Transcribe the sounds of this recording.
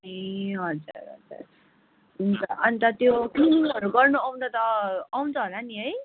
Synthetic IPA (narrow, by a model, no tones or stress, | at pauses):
eɦʌd͡zṵɾɦʌ̰d͡zṵɾ | nit̪ʌʌnit̪ʌt̪jokiʌɾuɡʌrnuaw̃nd̪ʌt̪ʌaw̃nt͡sʰʌɦolaniɦʌj